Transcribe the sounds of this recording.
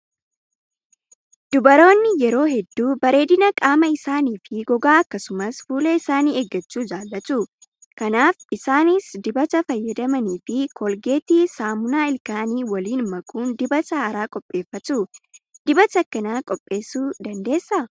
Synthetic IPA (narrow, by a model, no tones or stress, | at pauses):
d̪̥ʊbɐɾo̞ːnːɪjɛɾo̞ːɦɛd̪ːuːbɐɾe̞ːd̪ɪnɐkʼaːmɐɪsaːniːfɪɡɔɡaːɐkːɐsʊmɐsfuːlɛɪsaːniːeɡːɐt͡ʃːuːd͡ʒaːlːɐt̪u | kɐnaːfɪsaːnɪsd̪ɪbɐt̪ɐfɐjːɐd̪ɐmɐniːfɪkɔlɡe̞ːt̪isaːmʊnaːɪlkaːniːwɐliːnmɐkʰʼuːnd̪ɪbɐsɐaːɾaːkʼɔpʼːe̞ːfːɐt̪uːd̪̥ɪbɐt̪ɐkːɐnaːkʼɔpʼːe̞ːsuːd̪ɐnd̪e̞ːsːɐ